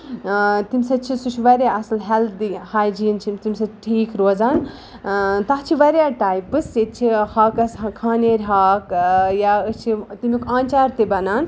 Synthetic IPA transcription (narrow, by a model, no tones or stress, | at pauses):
t̪imsɐt͡ʃʰisut͡ʃʰʋɐɾʲjaɐsɐlɦelt̪ʰd̪ihaːjd͡ʒiːnt͡ʃʰimt̪imsɐʈʰiːkɾoːd͡zaːn | t̪aɦt͡ʃʰiʋɐɾʲjaʈaːjpɨsːet̪̚t͡ʃʰihaːkɐskʰaːneɾʲɦaːkjaɨt͡ʃʰit̪imikʰãːnt͡ʃaːɾt̪ebɐnaːn